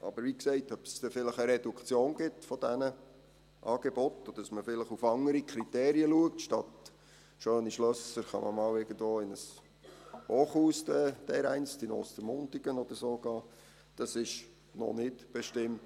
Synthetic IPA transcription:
ʔɑ̰b̥əɾʋiksɛɪtœpsd̥̪ɛfɪləχəɾɛdukʰt͡sjoːnɡɪt̪fɔd̥ænə | ʔɑːɡ̥ebɔtːɔddɑsməfɪləχufɑŋəɾikʰɾitɛːɾiəluək̚tʃtɑt̪ | ʃøːniʃlœsəɾχɑ̰mʔə̰mɑːwɪɡ̥ən̩dvoːɪnəs | hoːχhuːsdɛd̥ɛɾæɪnt͡stinɔ̰ːstəmʊntiɡ̥ənɔd̪əɾsoːɡ̥ɑː | d̥ɑsɪʃ | nɔ̰nɪtb̥ɛʃtɪmt

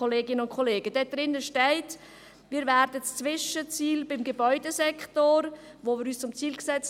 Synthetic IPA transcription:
oleːɡɪnəʊntkʰɔleːɡ̥əd̥ɛd̥ɾɪnːəʃtɛɪt | miːɾvɛɾdəst͡svɪʃət͡siːlbɪmɡebœʏdəsɛktoɾ | voːmɪːɾyːst͡sʊmt͡siːlksɛt͡s

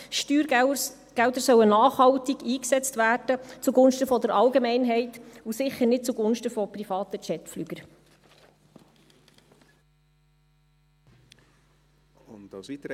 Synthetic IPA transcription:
ʃtyːɾ | ɡ̥ældəɾsœwənɑːχhɑwtiɡiːksɛt͡stvæːrd̥ət͡suɡʊnʃtəfɔd̪əɾʔɑlɡemɛɪnɦɛɪtusɪχəɾnɪt̚t͡suɡʊnʃtəfɔprifɑːt̪ət͡ʃɛtflyɡ̥əɾ

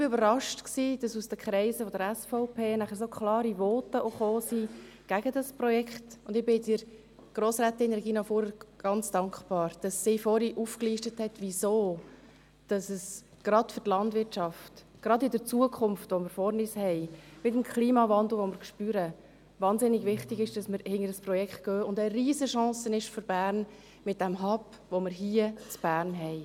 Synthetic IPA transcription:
ɪb̥ɪøbəɾɑʃtksiːd̥ɑsusd̥əkʰχɾɛɪzəfɔdəɾɛsfɔʊpʰeːnæχəɾsokʰχlɑːɾiʋɔːtəʔoχoːsiɡ̥æɡədɑsprɔjɛkχtʊndɪbɪɪt͡siːɾ | ɡ̥ɾoːsɾæːt̪ɪnɾɛɡiːnɑfuːɾəɡ̥ɑnt͡sd̥ɑŋkχb̥ɑːɾd̥ɑsːɪfɔɾiʔufkliːʃtəthɛtʋisoː | d̥ɑsəs | ɡ̥ɾɑdfʏɾtlɑndvɪrt͡ʃɑft | ɡ̥ɾɑdɪdəɾt͡suəkʰχʊmftvɔmɪɾfɔɾnishɛɪmɪtəmkʰliːmɑvɑnd̪l̩ˠʋɔmɪɾkʃpyːɾə | ʋɑːnzɪnɪɡʋɪχtɪɡɪʃd̥ɑsmɪɾhɪŋəɾdəspɾɔjɛkχt̚ɡ̥œːʊndəɾiːzəʃɑ̃ːsənɪʃføɾb̥æːɾn | mɪt̚d̥æmɦɑp | ʋoməɾɦiːət͡sb̥æːɾnɦɛɪ

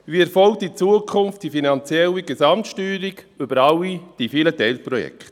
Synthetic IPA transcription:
viɛɾfɔlk̚tit͡suəkʰʊnftd̥ifinɑnt͡sjɛliɡesɑmtʃtyːɾiɡʏbəɾɑwid̥ifilətɛɪlpɾɔjɛ̰kʰt

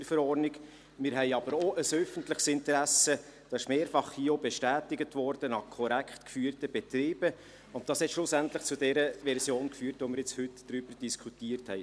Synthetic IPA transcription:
əfəɾɔɾnɪɡ | mɪɾɦɛɪɑb̥əɾoʔəsœfəntlɪχsɪntəɾæsə | d̥ɑːɪʃmeːɾfɑχhiːəɔbɛʃtæːtɪɡətvɔɾd̥ənɑχkʰɔɾækχtkfyːrtəb̥ɛt̪ɾiːb̥ə | ʊntd̥ɑːshɛt̪ʃlʊsæntlɪχt͡sudɛɾəvɛɾsjoːnkfyːɾtʋomɪɾjɪt͡shʏtd̥ɾyb̥əɾd̥iskʰutiːəɾthɛɪ

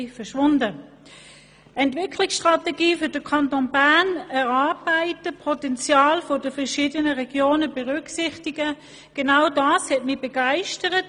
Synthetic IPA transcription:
fɛɐʃʋʊndə | ɛntvɪkʰlɪksʃtʁ̥ɑteɡiːfʏd̥əkʰɑntonbaɐnɛʁɑɐb̥aɪtəpʰʁɔtɛnt͡sjɑːlfɔdəfɛɐʃiːdənəʁɛɡ̥joːnəbɛʁʏksɪχtiɡə | ɡ̥enaʊdɑːshɛtmɪbeɡ̥aɪʃtəʁət

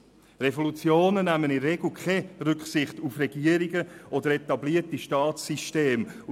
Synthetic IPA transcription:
revolut͡sjoːnənæmənɪnreɡl̩ˠkʰeɾʏkχsɪχtufrɛɡiːəɾiɡəʔɔdəɾetɑbliətiʃtɑːtsiʃteːm

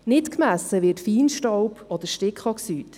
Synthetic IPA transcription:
nɪtkmæsːəʋɪːɾtfiːnʃtɔwpɔd̪əɾʃtɪkχɔksyːt

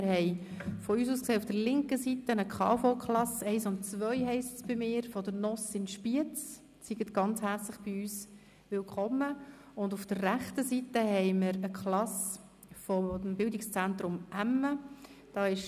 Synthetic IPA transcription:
ɪɾhɛɪfɔyːs̬uːskseːufd̥əɾlɪŋkəsitənəkʰɑ̰ːfokχlɑsɛɪsʊnt̚t͡svœʏɦɛɪstsb̥ɪmɪːɾfɔd̪əɾnɔsɪnʃpiət͡s | siɡətɡ̥ɑnt͡shæɾt͡slɪχb̥iyːs | ʋɪlkʰɔmːə | ʊndufd̥ərːæχtəsitəhɛɪmɪɾəkχlɑs | fɔmbɪldɪkst͡sænt̪ɾʊmʔæmːəd̥ɑːɪʃ

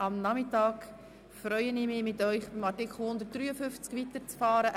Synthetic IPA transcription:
ɑmnɑmɪtɑːk | fɾœʏənɪmɪːmɪtœʏχb̥ɪmɑtɪkχl̩ˠhʊnd̪ərt̚d̥ryːəfʏft͡skʋitəɾt͡sfɑːɾəʔ

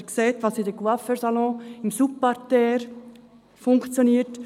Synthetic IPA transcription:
kseːt̪ʋɑsidəɡwafəɾsɑlɔ̃ɪmsupːɑɾtɛːɾ | fʊŋkt͡sjoniːəɾt

